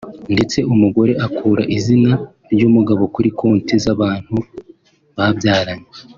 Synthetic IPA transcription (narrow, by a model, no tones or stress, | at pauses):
nde̞t͡se̞ʔumuɡo̞ɾe̞ʔakʰuːɾaʔizina | ɾɟumuɡaβo̞kuɾikoːntizaβaːn̥hu | βabjaːɾaɲe